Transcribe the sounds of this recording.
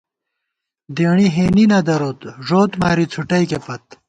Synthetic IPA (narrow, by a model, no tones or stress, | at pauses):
d̪eːɳiɦeːninɐd̪ɐɾoːt̪ʐoːt̪maːɾit͡sʰuʈɐjkepɐt̪̚